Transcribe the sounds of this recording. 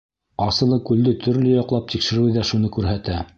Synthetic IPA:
ɑsɤ̆lˠɤkʉld̪ɘt̪ʰɵ̆ɾlɘjɑqlˠɑp̚t̪ikʃɘ̆ɾʉjðæʃunɤkʉɾɦæt̪æ

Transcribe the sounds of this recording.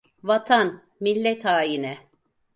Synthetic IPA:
vat̪ʰan | milʲːɛt̪ʰaːjinɛ

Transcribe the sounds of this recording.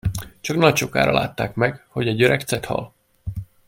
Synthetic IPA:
t͡ʃɒknɒct͡ʃo̞ka̰ːɾɒlʔa̰ːt̪ːaːkmɛɡho̞ɟɛɟøɾʔɛkt̪sɛt̪hɒ̰l

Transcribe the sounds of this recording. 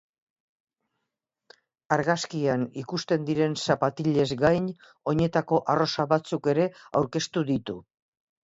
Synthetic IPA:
aɾɣaskianikust̪e̞nd̪iɾe̞nsapat̪iʎe̞zɡajɲ | o̞ɲe̞t̪ako̞ʔaro̞saβat͡suke̞ɾe̞a̰wɾke̞st̪uðit̪u

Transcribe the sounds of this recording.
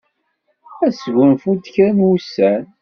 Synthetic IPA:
æsɡʷənfut̪çɾænwusːæn

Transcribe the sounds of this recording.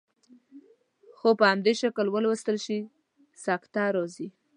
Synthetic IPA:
xopəhamd̪eʃakəlwəlwəst̪əlʃi | sɑkt̪ɑɾozi

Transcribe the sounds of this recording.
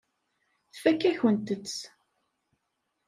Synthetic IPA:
θfækːæçənt̪ət͡sː

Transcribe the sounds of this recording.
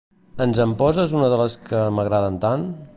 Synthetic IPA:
ənzəmpɔzəzunəðələskəməɣɾaðənt̪an

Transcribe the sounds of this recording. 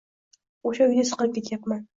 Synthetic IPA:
oʃaʊjnɪsɨ̥qəɾɪp̚kʲet̪ʰjapman

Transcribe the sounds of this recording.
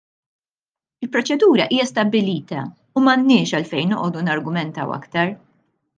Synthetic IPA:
ɪlpɾɔt͡ʃɛd̪uːɾɐʔiːjɐst̪ɐbːɪliːt̪ɐ̰ | umɐnːɪːʃɐlfɛjnːɔʔɔːd̪unɐɾɡʊmɛnt̪ɐ̰wɐ̰kt̪ɐɾ

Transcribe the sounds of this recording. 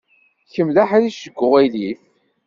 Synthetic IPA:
çəmlaħæɾiʃəɡʷːʊʁæjli

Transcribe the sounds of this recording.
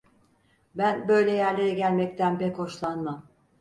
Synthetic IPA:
bænbø̞jlʲɛjæɾlʲe̞ɾɛɟælʲmɛc̚t̪ʰænpɛkho̞ʃlˠanmam

